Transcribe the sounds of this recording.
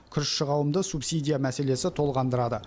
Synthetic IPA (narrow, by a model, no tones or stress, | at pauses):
kʲʰʏɾʃʃəʁɑwəmd̪əsupsijd̪ʲijamæse̞le̞sɪt̪ʰo̞lˠʁɑnd̪əɾɑd̪ə